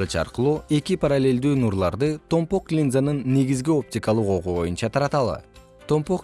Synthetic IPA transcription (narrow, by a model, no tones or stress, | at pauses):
ɯt͡ʃɑ̰ɾqɯlˠuːe̞kipʰaɾalʲːe̞ld̪yːnuɾlˠɑɾd̪ɯt̪ʰo̞mpo̞klʲinzanɯnːe̞ɡizɡio̞p̚tʲikalˠuqo̞ʁuβo̞junt͡ʃɑt̪ʰɑɾɑt̪ɑlˠɯ̰ | t̪ʰo̞mpo̞k